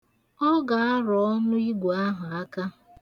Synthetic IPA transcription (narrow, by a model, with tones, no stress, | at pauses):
ɔ˦ɡa˨a˦ɾɔ˨ɔ˦nʊ˦i˦ɡʷu˨a˦ɦʊ˨a˦ka˦